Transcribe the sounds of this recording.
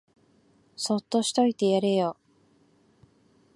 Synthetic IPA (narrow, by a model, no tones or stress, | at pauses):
so̞t̪ːo̞ɕi̥t̪o̞it̪e̞jaɾe̞jo